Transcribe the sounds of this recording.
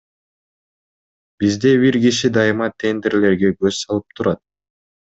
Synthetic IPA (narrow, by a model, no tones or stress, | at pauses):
b̥izd̪ebiɾɡiʃid̪ɑjɯmɑt̪ʲʰːe̞nd̪e̞ɾle̞ɾɡe̞ɡøzsɑlˠɯp̚t̪ʰuɾɑt̪̚